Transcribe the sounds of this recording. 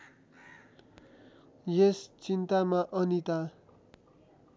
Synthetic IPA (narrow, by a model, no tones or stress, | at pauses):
jest͡sint̪amaʔʌnit̪a